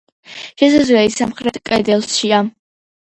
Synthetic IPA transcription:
ʃɛzazwɛisamχɾɛt̪ʰkʼɛd̪ɛlˠsʃia

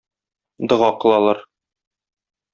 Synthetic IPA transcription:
d̪ɤ̆ʁɑqɤ̆lˠɑlˠɑɾ

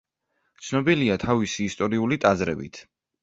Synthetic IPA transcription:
t̪sʰnɔbiliat̪ʰavisiːst̪ʼɔɾiulit̪ʼazɾɛ̰bḭt̪ʰ

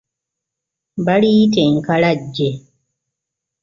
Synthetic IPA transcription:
baɽiteŋ̩kaɾad͡ʒːe

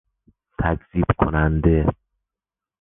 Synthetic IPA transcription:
t̪ʰæcz̥iːb̥kʰo̰nænd̪e

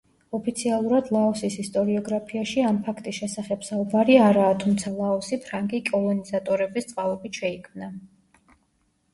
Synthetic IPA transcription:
ɔpʰit̪sʰialˠuɾad̪lˠaɔsisist̪ʼɔɾiɔɡɾapʰiaʃiampʰakʰt̪ʼisʃɛsaχɛb̥saubaɾiaɾaːt̪ʰumt̪sʰalˠaɔsipʰɾaŋɡikʼɔlˠɔnizat̪ʼɔɾɛbist̪sʼqʼavɛbiʃɛikʰmna

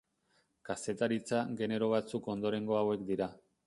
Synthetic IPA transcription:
kase̞t̪aɾit͡saɡe̞ne̞ɾo̞β̞at͡suko̞nd̪o̞ɾe̞ŋɡo̞awe̞kd̪iɾa

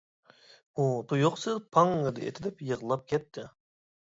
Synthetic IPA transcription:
ut̪ʰujoqsɨzpʰɑŋɨd̪ɨḛt̪ʰɪd̪ɛpjəʁlˠɑp̚kʲʰɛt̪ʰːɪ

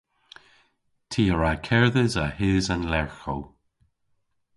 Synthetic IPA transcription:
tʰiːəɹakʰɛɹðəzahɪːzanlɛɹxow

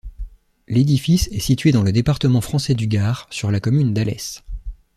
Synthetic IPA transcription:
led̪ifisɛsit̪ɥed̪ɑ̃ləd̪epaʁt̪əmɑ̃fχɑ̃sɛd̪yɡaːʁsyʁlakɔmynd̪alɛ̰s

